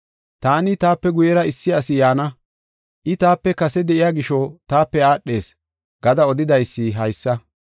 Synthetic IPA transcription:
t̪aːnɪt̪aːpːɛɡʊjɛɾɐɪsːɪɐsɪjaːnɐ | ʔɪt̪aːpːɛkɐsɛd̪ɛʔɪjaːɡɪʃɔt̪aːpːɛaːɗːe̞ːs | ɡ̥ɐd̪ɐɔd̪ɪd̪ɐjsːɪɦɐjsːɐ

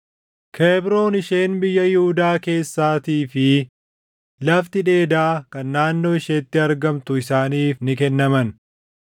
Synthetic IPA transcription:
kʰeːbɾo̞ːnɪʃeːnbɪjːɐjɪhʊd̪aːke̞ːsːaːt̪iːfɪ | lɐft̪ɪᶑe̞ːd̪aːkɐnːaːnːo̞ːɪʃeːt̪ːɪɐɾɡɐmt̪ʊɪsaːniːfnɪkɛnːɐmɐn

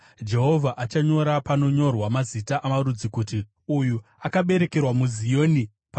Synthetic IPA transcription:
d͡ʒe̞ɦo̞vʱaʔat͡ʃaɲo̞ɾapano̞ɲo̞rwamazitaʔamaɾud͡zikuti | uju | akaɓe̞ɾe̞ke̞rwamuzijo̞ni | pa

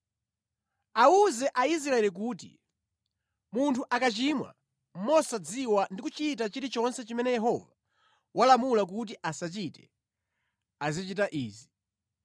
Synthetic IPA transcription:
auzɛʔaisɾaɛlik̬uːtḭ | muntʰuʔakat͡ʃimwa̰ | m̩mɔsad͡ziwandikut͡ʃit̬at͡ʃiɾit͡ʃɔnsɛt͡ʃimɛnɛjɛɦɔva | wʔalamulak̬ut̬iʔasat͡ʃitɛ | azit͡ʃitaʔiːzi

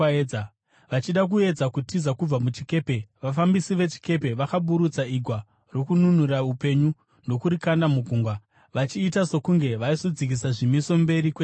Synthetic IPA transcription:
a | ʋat͡ʃiɗak̬ue̞d͡zakutizakub͡vamut͡ʃike̞ːpe̞ʋafambisiʋe̞t͡ʃi̥ke̞pe̞ʋakaɓuɾut͡saiɡʱwa | ro̞kununuraupe̞ɲu | no̞kuɾikandamuɡʱuːŋɡwa | ʋat͡ʃiːtaso̞kuŋɡe̞ʋaisod͡zikisaʐimiso̞mbe̞ɾikwe

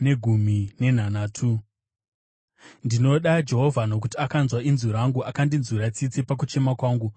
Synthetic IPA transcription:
ne̞ɡʱum̤ine̞n̤anaːtʰu | ndino̞ɗad͡ʒe̞ɦo̞vʱano̞k̬utiakanzwainzuɾaŋɡuakandinzuɾat͡sit͡sipak̬ut͡ʃe̞makwaːŋɡu

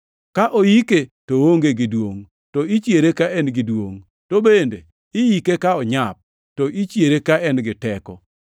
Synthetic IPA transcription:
kaʔojiketowoŋɡeɡɪdwoŋ | tɔit͡ʃjeɾekaʔɛnɡɪdwoŋ | tobendḛ | ɪjikekaɔɲap̚ | tɔʔit͡ʃjeɾekaɛnɡɪtɛkɔ̰

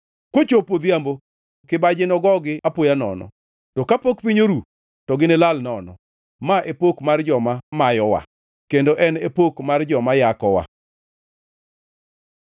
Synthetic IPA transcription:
kot͡ʃopod̪jambo | kɪbad͡ʒɪnɔɡɔɡɪʔapojanɔ̰nɔ̰ | tɔkapokpiɲoɾu | tɔɡɪnelalnɔnɔ̰ | maʔepokmard͡ʒɔmamajɔwa̰ | kendoʔɛnepokmard͡ʒɔmajakɔwa̰

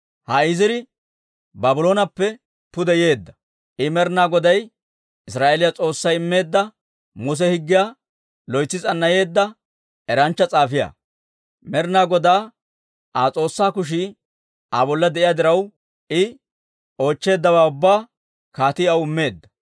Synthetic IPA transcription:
hɐɪzɪɾɪ | bɐbɪlo̞ːnɐpːɛ | pʊd̪ɛje̞ːd̪ːɐ̥ | ʔɪmɛɾnaːɡɔd̪ɐj | ɪsɾaːʔelɪjat͡sʼo̞ːsːɐjɪmːe̞ːd̪ːɐ | mʊs̬ɛhɪɡːɪjaː | lɔjt͡sːɪt͡sʼɐnːɐje̞ːd̪ːɐ | ɛɾɐnt͡ʃːɐt͡sʼaːfɪja̰ː | mɛɾnaːɡɔd̪aː | ʔat͡sʼo̞ːsːaːkʊʃ̬ɪ | abɔlːɐd̪ɛʔɪjaːd̪ɪɾɐw | ɪ | o̞ːt͡ʃːe̞ːd̪ːɐβaːʊbːaː | kaːt̪ɪɐwɪmːe̞ːd̪ːɐ̥

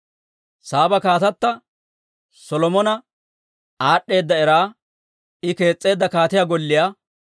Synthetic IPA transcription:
saːbɐkaːt̪ɐt̪ːɐ | sɔlɔmɔnɐ | aːɗːe̞ːd̪ːɐɛɾaː | ɪke̞ːt͡sʼːe̞ːd̪ːɐkaːt̪ɪjaɡɔlːɪjaː

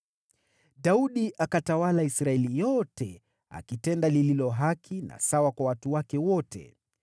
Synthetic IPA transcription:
ɗauɗiʔakatawalaisɾaɛlijɔtɛ | a̰kitɛndalililɔɦakʰina̰sawakwawatuwakɛwɔtʰɛ̰

